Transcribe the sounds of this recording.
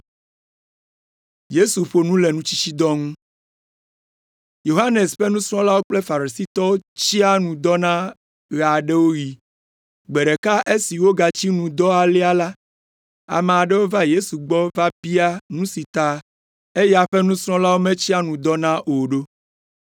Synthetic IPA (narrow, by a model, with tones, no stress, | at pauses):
je˦su˨ɸo˨nũ˦le˨nũ˦t͡ɕi̥˦t͡ɕi˦d̪ɔ˦ŋũ˦ | jo˨ɦa˦ne˨sɸɛ˦nũ˦sɾ̃ɔ̃˦la˦wo˦k͡plɛ˦fa˨ɾi˨si˦t̪ɔ˦wo˦t͡ɕi˦a˦nũ˨d̪ɔ˦nã˦ | ɣa˨ɖe˦wo˦ji˨ | ɡ͡be˨ɖe˨ka˦ʔe˦si˨wo˦ɡa˨t͡ɕi˦nũ˨d̪ɔ˦a˨li˦a˦la˦ | a̰˨mɛ̃˨a˨ɖɛ˦wo˦va˦je˦su˨ɡ͡bɔ˦va˦bi˦a˦nũ˦si˨t̪a˦ | e˦ja˨ɸɛ˦nũ˦sɾ̃ɔ̃˦la˦wo˦mẽ˦t͡ɕi˦a˦nũ˨d̪ɔ˦nã˦ʔo˨ɖo˦